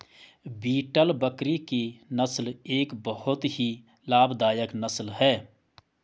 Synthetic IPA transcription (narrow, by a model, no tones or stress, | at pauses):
biːʈəlbəkɾikinəsleːkbəhʊt̪ɦi | laːbd̪aːjəknəslɦɛː